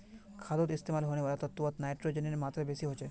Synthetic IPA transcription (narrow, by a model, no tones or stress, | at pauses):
kʰad̪ot̪ist̪emalɦoñebaɾat̪ɔt̪ːuat̪najʈɾod͡ʑeneɾmat̪ːɾabesiɦot͡ɕʰe